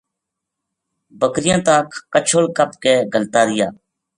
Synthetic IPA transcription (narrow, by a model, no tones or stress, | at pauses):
bəkɾɪjãːt̪ãːkʰːət͡ʃʰoːlkəp̚keːɡəlt̪aːɾɪja̰ː